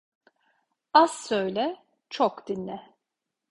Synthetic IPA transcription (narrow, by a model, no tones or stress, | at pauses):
azsøjlʲɛ | t͡ʃʰokd̪̥inːɛ